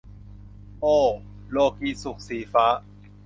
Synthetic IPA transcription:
ʔoː˧˩ | loː˧˩kiː˨˩su˨˩k̚siː˩˦faː˦˥ʔ

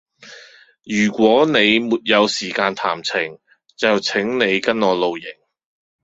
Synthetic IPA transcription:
jyː˨˩kʷɔː˨˥ne˨˧jmuː˨t̚jɐ˨˧wsiː˨˩kaː˧nt̪ʰaː˨˩mt͡sʰɪ˨˩ŋ | t͡sɐ˨wt͡sʰɪ˨˥ŋne˨˧jkɐ˥nɔː˨˧lo˨˧wjɪ˨˩ŋ

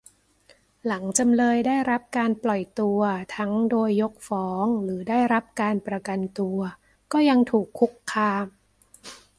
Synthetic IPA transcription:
la˩˦ŋt͡ɕa˧mlɤː˧jdaː˥˩jɾa˦˥p̚kaː˧nplɔ˨˩jt̪u˧ɐt̪ʰa˦˥ŋdoː˧jːo˦˥k̚fɔː˩˦ŋɾɯː˩˦daː˥˩jɾa˦˥p̚kaː˧npɾa˧ka˧nt̪u˧ɐ | kɔː˥˩ja˧ŋt̪ʰuː˨˩kʰːu˦˥kʰːaː˧m

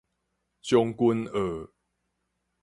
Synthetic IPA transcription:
t͡ɕjɔ˦ŋku˦nə˨˦

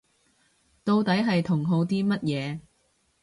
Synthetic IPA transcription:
t̪o˧wt̪ɐ˨˥jɦɐ˨jt̪ʰʊ˨˩ŋɦo˨˧wt̪iː˥mɐ˥t̚jɛː˨˧

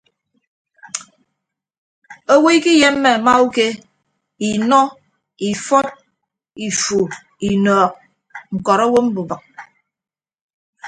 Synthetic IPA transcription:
o˦we˦i˦ki˦je˦m̩ː˦e˨ma˦u˦ke˦ | i˨nɔ˦ | i˨fɔ˦t̚ | i˨fu˨ | i˨nɔː˨k̚ | ŋ̩˨kɔ˨ɾo˦wo˦m̩˦bu˨ba˨k̚

